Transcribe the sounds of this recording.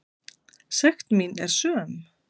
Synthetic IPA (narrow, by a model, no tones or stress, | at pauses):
sɛxt̪minɛɾ̥sœːm